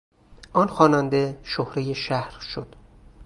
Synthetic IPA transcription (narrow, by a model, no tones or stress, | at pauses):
ʔɒːnxɒːnænd̪eʃohɾejeʃæhɾʃod̪̥